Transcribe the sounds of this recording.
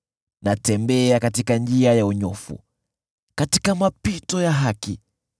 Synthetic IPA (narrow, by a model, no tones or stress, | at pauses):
natɛmbɛakatikand͡ʒiajauɲɔfṵ | katikamapitɔjaɦaki